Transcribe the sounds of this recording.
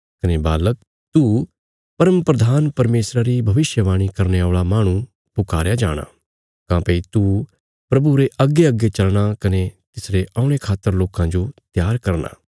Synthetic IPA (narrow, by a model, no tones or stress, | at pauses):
kɐnebaːlək̚ | t̪u | pɐɾəmpɾɐd̪ʱaːnpɐɾmeːsɾaɾibʱɐʋɪsjəʋaːɽ̃ikɐɾneaːɭamaːɽ̃ũ | pʊkaːɾjad͡ʒaːɽ̃a̰ː | kãːpeːit̪u | pɾɐbuɾeʔɐɡːeɐɡet͡ʃɐlɽ̃akɐnet̪ɪsɾeʔɐʊɽ̃ekʰaːt̪ːəɾloːkãd͡ʒot̪jaːɾkɐɾna̰ː